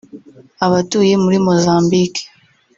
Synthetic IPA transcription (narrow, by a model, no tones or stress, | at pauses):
aβatuːje̞muɾimo̞zaːmbike̥